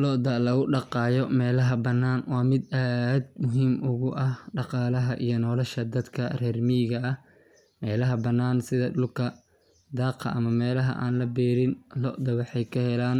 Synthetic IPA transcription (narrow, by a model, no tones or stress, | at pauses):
lɔʔd̪ɐlɐɣʊɖɑqɑːjɔmɛːlɐɦɐbɐnːaːnwɑːmɪd̪aːd̪̚mʊɦiːmʔʊɣʊʔɐhɖɑqɑːlɐɦɐʔḭjɔnɔːlɐʃɐd̪ɐd̪kʰɐrɛːrmiːɣɐɐh | mɛːlɐɦɐbɐnːaːnsɪðɐɗʊlkʰɐ | d̪ɑːqʰɐ̰ʔɐmɐmɛːlɐɦɐ̰ʔa̰ːnlɐbɛːɾɪnlɔʔd̪ɐwɑħɑjkʰɐhɛlaːn